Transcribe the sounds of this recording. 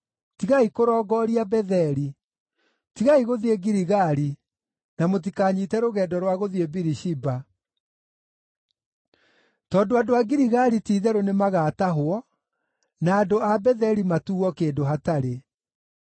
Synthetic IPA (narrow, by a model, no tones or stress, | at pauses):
tiɣaikoɾɔːɡɔɾiabɛðɛɾi | tiɣaiɣoðieɡiɾiɣaɾi | namot̬ikaːɲitɛɾoɣɛːdɔɾwaɣoðiebiɾiɕiba | tɔːndoadoaɡiɾiɣaɾitiːðɛɾonemaɣataɦwɔ | naːdoabɛðɛɾimatuɔkeːndoɦataɾe